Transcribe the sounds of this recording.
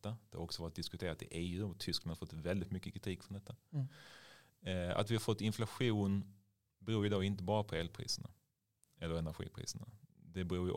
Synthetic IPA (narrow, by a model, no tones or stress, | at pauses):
t̪ːad̪̥ɛhaɾɔksɔvɑːɾɪt̪̚d̪ɪskɵt̪ʰeːɾat̪ɪ̰ʔeːʉːɔt̪ʰːʏsklanaɾfɔt̪ːvɛld̪ɪt̪mʏkːəkʰɾɪt̪ʰiːkːfɾɔnd̪ɛt̪ːa | a̰t̪vɪhaɾfɔt̪ːɪnflaɧuːn | bɛɾuːɾjɵd̪oːɪnt̪əbɑːɾapʰɔɛːlpʰɾḭːsəɳa̰ | ɛlːəɾɛnæɾɧḭːpʰɾḭːsəɳa̰d̪ɛbɛɾuːj